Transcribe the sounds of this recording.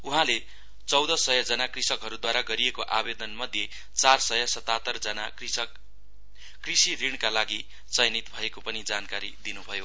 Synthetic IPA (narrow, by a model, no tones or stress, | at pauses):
uɦãle | t͡sʌwd̪ʌsʌjʌd͡zʌnakrisʌkɦʌɾud̪waɾaɡʌɾijekoʔabed̪ʌnmʌd̪ʱje | t͡sarsʌjʌsʌt̪at̪ʌrd͡zʌna | krisiriɽ̃kalaɡi | t͡sʌjnit̪bʱʌekopʌnid͡zankaɾid̪inubʱʌjo